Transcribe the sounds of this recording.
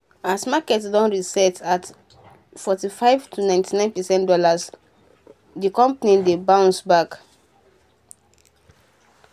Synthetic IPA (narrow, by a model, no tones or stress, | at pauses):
asmakɛtsdɔ̃nɹisɛtʰat | fɔtifaɪvtʰunãj̃ntʰinãɪ̃npɛsɛ̃ntdɔlas | dikɔ̃mpanĩdebãʊ̃nsbak